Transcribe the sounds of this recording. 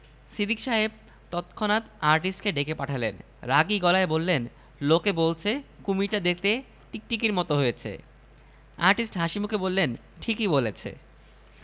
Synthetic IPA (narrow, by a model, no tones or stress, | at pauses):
sid̪ikʃaɦeb̚ | t̪ɔt̪kʰonat̪aɾʈisʈkeɖekepaʈʰalḛn | ɾaɡiɡɔlaebolːen | lokebolt͡ɕʰekumiʈad̪ek̚ʰt̪e | ʈik̚ʈikiɾmɔt̪oɦojet͡ɕʰḛ | aɾʈisʈɦaʃimukʰebolːen | ʈʰikibolet͡ɕʰḛ